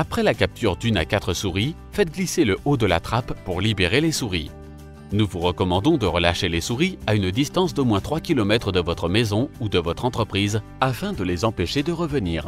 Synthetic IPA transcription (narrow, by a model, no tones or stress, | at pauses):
apχɛlakʲap̚t̪ʰyʁd̪yna̰kʲat̪χəsuʁi | fɛt̪ɡliseləʔod̪əla̰t̪χapːuʁlibeʁelesuʁḭ | nuvuʁəkɔmɑ̃d̪ɔ̃d̪əʁəlaʃelesuʁiaynd̪ist̪ɑ̃s̬d̪omwɛ̃t̪χwakʲilɔmɛt̪χəd̪əvɔt̪χəmɛzɔ̃ud̪əvɔt̪χɑ̃t̪χəpχiz | afɛ̃d̪əlezɑ̃peʃed̪əʁəvəniːʁ